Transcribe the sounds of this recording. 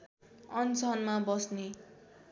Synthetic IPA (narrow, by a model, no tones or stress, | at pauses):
ʌnt͡sʌnmabʌsne